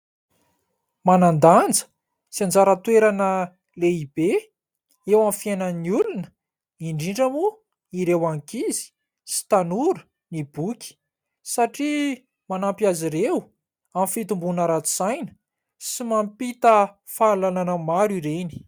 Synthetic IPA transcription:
manand̪and͡zə̥ | siand͡zaɾət̪weɾanə | leibe | ewamfianəniulunə̥ | iɳɖ͡ʐiɳɖ͡ʐamu | iɾewaŋkizi̥ | si̥t̪anuɾu̥ | nibukʲi̥ | saʈ͡ʂi | manampiaziɾew | amfit̪umbunəɾat͡suz̥ajnə̥ | simampit̪ə | falananəmaɾiɾeni̥

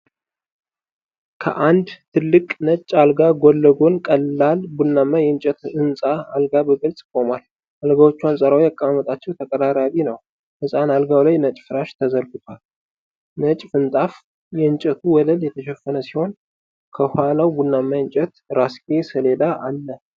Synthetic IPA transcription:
kʰə̰ʔand̪t̪ʰɨlːɨkʼnət͡ʃʼalɡaɡolːəɡo̞nkʼəlːalbunːamːajɛnt͡ʃʼɛt̪ɨnsʼaalɡabəɡɨlsʼkʰo̞mal | alɡawot͡ʃːuansʼaɾawakʼːaamət̪ʼat͡ʃːɛwt̪ʰəkʼəɾaɾaβinəw | hɨsʼanalɡawlajnət͡ʃʼfɨɾaʃt̪ʰəzəɾɡɨt̪ʰwal | nət͡ʃʼfɨnt̪ʼaf | jɛɨnt͡ʃʼɛt̪ʰuwɔləljɛt̪ʰəʃɛfːənəsiho̞n | kʰəhalawbunːamːajnt͡ʃʼɛt̪ɾaskʼesɨle̞d̪aʔalːə

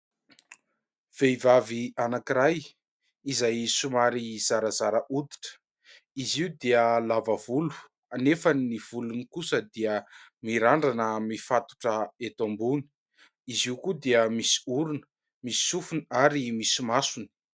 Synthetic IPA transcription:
v̥eivavianakiɾaj | izajsumaɾiz̥aɾazaɾəʔud̪i̥ʈ͡ʂə̥ | iziwd̪iəlavav̥ulu̥ | anefəniv̥ulunikusəd̪iəmiɾaɳɖ͡ʐanəmifat̪u̥ʈ͡ʂəet̪ombuni̥ | iziwkud̪iəmisi̥uɾunə̥ | misi̥sufuniaɾimisimasuni̥

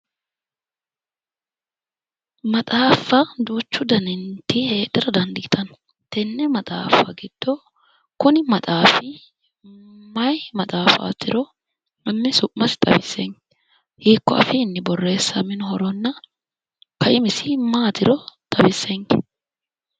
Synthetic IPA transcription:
mɐt̪ʼaːfːɐd̪uːt͡ʃːʊd̪ɐnɪnt̪ɪheːᶑːɐɾɐd̪ɐnd̪ɪɡɪt̪ʰɐn | t̪ɛnːɛmɐt̪ʼa̰ːfɐɡɪd̪̥ːɔ | kʊnɪmɐt̪ʼaːfɪ | mɐjmɐt̪ʼaːfa̰ːt̪ɪɾɔ | mɐmːɛsʊʔmɐst̪ʼɐ̰bɪsːḛŋɡ | hiːkːɔɐ̰fɪːnːɪbɔrːe̞ːsːɐmɪnʊhɔɾɔnːɐ | kɐʔɪmɪsɪmaːt̪ɪɾɔt̪ʼɐbɪsːeŋɡ

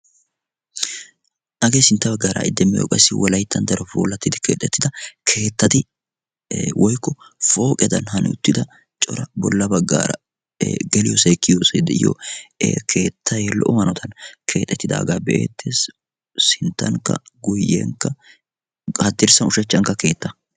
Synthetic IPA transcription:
ʔɐɡejsɪnt̪ːɐbɐɡːaːɾɐ̰ɪd̪ːɛmːɛjo̰kʼɐsːɪwɔlɐjt̪ːɐnd̪ɐɾɔfːwɔlːɐt̪ːɪd̪ɪkʰe̞ːt̪ʼːɛt̪ːɪd̪ɐkʰe̞ːt̪ːɐt̪ɪ | wʔɔjkːɔ | fo̞ːkʼɛd̪ɐnhɐnɪ̰ʊt̪ːɪd̪ɐ | t͡ʃʼɔɾɐbɔlːɐbɐɡːa̰ːɾɐ̰ | ɡɛlɪjɔsɐjkːɪjosɛd̪ɛʔɪ̰jɔ̰ḛːkʰeːt̪ʰːɐjlɔʔɔmɐnɔt̪ʰɐnkʰe̞ːt̪ʼːɛt̪ːɪd̪a̰ːɡaːbɛʔe̞̰ːt̪ʰːes | sɪnt̪ːɐ̰ŋkːɐ̰ɡʊjːḛːŋkːɐ | hɐd̪ːɪɾsɐnʊʃɛt͡ʃːɐŋkːɐke̞ːt̪ːɐ

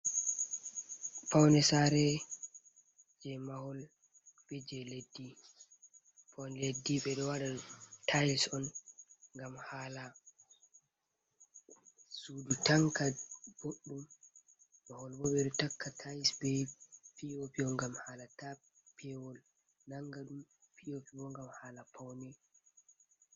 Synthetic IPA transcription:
fawnɛsaɾɛ | d͡ʒɛmahɔl | ɓɛd͡ʒɛledːi | fawnɛledːiɓɛɗɔwaɗatʰajisɔnŋɡamhaːla | sudutaŋkab̥oɗːumː | ahɔlbɔɓɛɗɔtakːatʰajisbɛfiopiɔŋɡamhaːlata | pɛwɔl | naŋɡaɗum | fiopibɔŋɡamhalapawnɛ

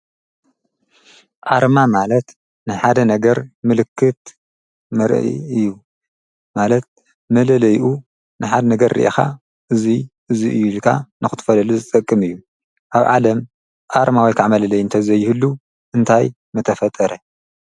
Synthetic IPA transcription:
ʔaɾmamalɐt̪ | nɨħad̪ɐnɐɡɐɾmɨlɨkʰːɨt̪ | mɨɾʔḭɨjːu | malɐt̪̚ | mɐlɐlɐjʔu | nɨħad̪ɐnɐɡɐɾɾɨ̰ʔexa̰ | ʔɨziʔɨziʔɨjːulkʰa̰nɨxɨt̪ʰɨ̥fɐlɐluzɨt̪ʼɐkʼːɨmɨjːu | ʔaβʕalɐm | ʔaɾmawijkʰaʕmɐlɐlɐjɨnt̪ʰɐzɐjːɪhɨlːu | ʔɨnt̪ʰaj | mɨt̪ʰɐfɐt̪ʼɐɾɐ

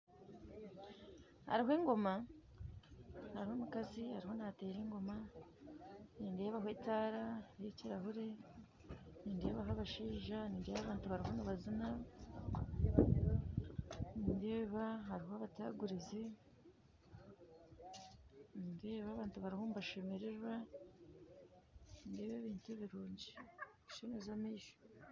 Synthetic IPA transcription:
ha̰ɾiɦe̞ːŋɡo̞ma | haɾihomukazihaɾiho̞nate̞ːɾeːŋɡo̞ma | niːnde̞ːβaɦweːtaːɾaɾeciɾaɦuɾe̞ | niːnde̞ːβaɦaβaʃiːʒaniːndeːβaβaːntuβaɾihonuβazina | niːndeːβahaɾiɦoaβata̰ːɡuɾize | niːndeːβaːβaːntuβaɾihuːmbaʃemeɾeɾwa | indeːβeβiːntuβiɾuːɲɟi | iʃinezamiːʃo̥

